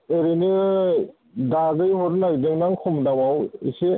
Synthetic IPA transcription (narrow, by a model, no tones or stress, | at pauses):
eɾenɯ | daɡɯjhɔɾnaɡdɯŋnaŋkʰɔmdawawḭse